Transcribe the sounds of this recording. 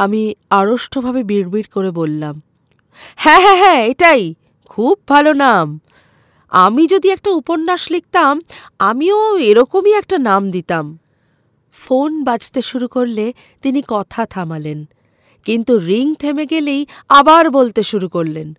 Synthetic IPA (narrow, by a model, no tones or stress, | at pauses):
amiaɾoʃʈʰobʱabebiɾbiɾkoɾebolːam | hɛ̃ɦɛɦɛ̃eʈaj | kʰub̚ːʱalonam | a̰mid͡ʑod̪iɛk̚ʈauponːaʃlik̚t̪am | amioeɾɔkomiɛk̚ʈanamd̪it̪am | fonbad͡ʑʰt̪eʃuɾukoɾle | t̪inikɔt̪ʰat̪ʰamalen | kint̪uɾiŋt̪ʰemeɡelejabaɾbolt̪eʃuɾukoɾlen